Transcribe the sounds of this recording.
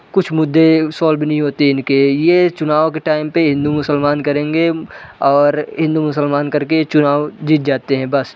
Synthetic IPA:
kʊt͡ʃʰmʊd̪ʱːesɔːlbinɐɦĩɦoːt̪eɪnkejet͡ʃʊnaːʋokeʈaːɪmpeɦɪ̃nd̪umʊsəlmaːnkɐɾẽːŋɡeɔːɾɦɪ̃nd̪umʊsəlmaːnkɐɾket͡ʃʊnaːʋd͡ʒiːt̪̚d͡ʒaːt̪eɦɛ̃bɐs

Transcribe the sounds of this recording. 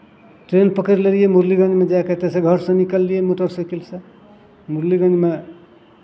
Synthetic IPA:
ʈɾenpʌkəɾlelijemuɾliɡʌnmed͡ʒaket̪esẽɡʱʌɾsʌ̃nikəlːijemoʈəɾsekilsʌ̃ | muɾliɡʌnme

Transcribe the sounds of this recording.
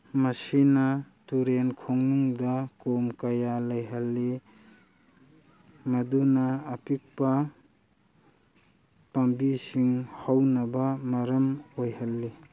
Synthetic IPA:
mɐsinɐ | tuɾenkʰoŋnuŋdɐkomkɐjalɐjɦɐlːi | mɐdunɐːpik̚pɐ | pɐmbisiŋhawnɐbɐmɐɾɐmojhɐlːi

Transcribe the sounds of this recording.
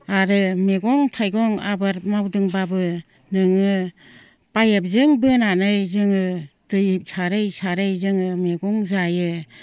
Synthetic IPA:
aɾɯmeɡɔŋtʰajɡɔŋabaɾmawdɯŋbabɯ | nɯŋɯ | pajap̚zɯŋbɯnanɯjzɯŋɯd̥ɯjɯp̚sʰaɾɯjsaɾɯjzɯŋɯmeɡɔŋzajɯ

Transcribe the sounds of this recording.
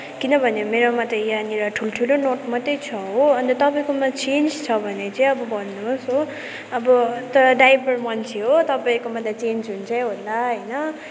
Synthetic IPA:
kinʌbʱʌnemeɾomʌt̪ʌjaniɾʌʈʰulʈʰulonoʈmʌt̪ejt͡sʰʌɦoʌnt̪ʌt̪ʌpaĩkomʌd̪at͡send͡zt͡sʰʌbʱʌnet͡saĩʌbʌbʱʌnːusɦo | ʌbʌt̪ʌɾʌɖajbʌrmʌnt͡sʰeɦot̪ʌpaĩkomʌd̪jat͡send͡zɦunt͡sʌj̃ɦolaɦʌjnʌ

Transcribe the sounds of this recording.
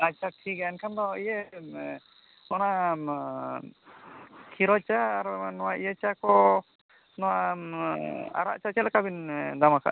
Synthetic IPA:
at͡ʃaʈʰikaɛnkʰand̪ɔijə | ɔna | kʰiɾɔt͡ʃaːɾnɔwaʔijət͡ʃakɔ | nɔwa | a̰ɾa̰ʔt͡ʃat͡ʃɛlɛkabind̪amakʰa̰ʔ

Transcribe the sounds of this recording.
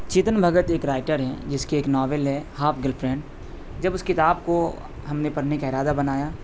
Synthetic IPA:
t͡ʃɪt̪ənbʱɐɡət̪eːkɾaːɪʈəɾɦɛ̃d͡ʒɪskeeːknɔːʋeːlɦɛːhaːpʰɡɪlpʰɾɛ̃ːɳɖ | d͡ʒɐbʊskɪt̪aːbko | ɦɐmnepɐɽnekaɪɾaːd̪abɐnaːjaː

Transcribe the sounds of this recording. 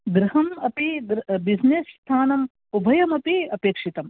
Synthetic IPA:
ɡɾɪɦɐmɐpiɡɾbid͡ʒneːsːt̪ʰaːnɐm | ubʱɐjɐmɐpiɐpeːkʂit̪ɐm

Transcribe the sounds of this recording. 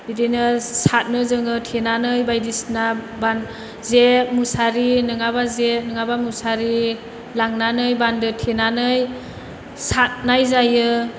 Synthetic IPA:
idejnɯsat̚nɯzɯŋɯtʰenanɯjbajdisna | ban | zep̚musaɾinɯŋabazep̚nɯŋabamusaɾi | laŋnanɯjbandɯtʰenanɯj | sat̚najzajɯ

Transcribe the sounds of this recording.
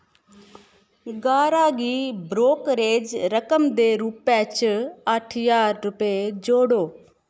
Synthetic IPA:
ɡaːɾaːɡiːbɾoːkɾeːd͡ʒɾəkəmd̪eːɾupɛːt͡ʃʰaʈʰjaːɾːʊped͡ʒoːɽoː

